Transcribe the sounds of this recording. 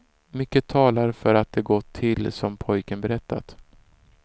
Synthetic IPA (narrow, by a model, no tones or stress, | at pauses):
mʏkːət̪ʰɑːlaɾfœɾat̪̚d̪ɛɡɔt̪ʰːɪlːsɔmpʰɔjkənbɛɾɛt̪ːa̰t̪